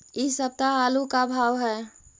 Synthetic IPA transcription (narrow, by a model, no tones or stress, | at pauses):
isəb̚t̪aaːlukabʱaːʋɦɛː